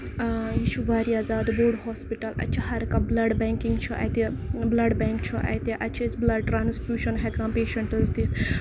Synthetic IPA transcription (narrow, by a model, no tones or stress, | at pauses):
jiʃuʋaːɾiaːzaːd̪boːɽɦɔːspiʈɐlɐ̰t͡ʃʰɐɦɐɾkablɐɖbɛ̃ːŋkĩŋɡt͡ʃʰɔʔɐ̰jt̪eblɐɖbɛːŋkt͡ʃʰɔʔɐ̰jt̪eʔɐt͡ʃʰesblɐɖ̚ʈɾaːnspjuːʃɐnɦɛkãːpeːʃɐɳʈəzd̪it̪ʰ